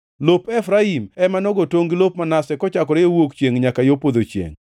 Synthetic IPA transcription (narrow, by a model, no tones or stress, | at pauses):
lopɛfɾaimɛmanɔɡɔtoŋɡilop̚manasɛkɔt͡ʃakɔɾejowokt͡ʃjeŋɲakajopod̪ot͡ʃjḛŋ